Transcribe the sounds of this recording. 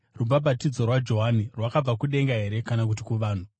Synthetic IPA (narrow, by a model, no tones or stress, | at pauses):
rubabatid͡zo̞rwad͡ʒo̞ɦanirwakab͡vakuɗe̞ŋɡaɦe̞ɾekanakut̬ikuʋaːn̤u